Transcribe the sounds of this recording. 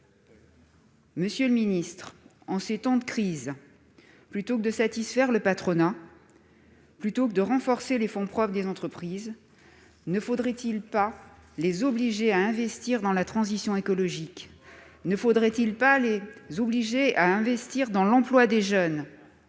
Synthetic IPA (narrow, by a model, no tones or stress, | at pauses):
məsjøləminist̪χ | ɑ̃set̪ɑ̃d̪əkχiz | plyt̪okəd̪əsat̪isfɛʁləpat̪χɔna | plyt̪okəd̪əʁɑ̃fɔʁselefɔ̃pχɔpd̪ezɑ̃t̪χəpχiz | nəfod̪ʁɛt̪ilpalezɔbliʒeaɛ̃vɛst̪iʁd̪ɑ̃lat̪χɑ̃zisjɔ̃ekɔlɔʒiknəfod̪ʁɛt̪ilpalezobliʒeaɛ̃vɛst̪iʁd̪ɑ̃lɑ̃plwad̪eʒœn